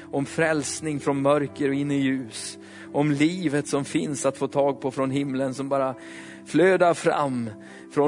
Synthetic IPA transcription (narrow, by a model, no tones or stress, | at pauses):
ɔmfɾɛlsnɪŋfɾɔnmœɾkəɾɔɪnːəjʉ̟ːs | ʔɔmliːvət̪sɔmfɪnsat̪foːt̪ʰɑːɡ̚pʰɔfɾɔnɦɪmlənsɔmbɑːɾa | fløːd̪aɾfɾa̰mː | fɾɔ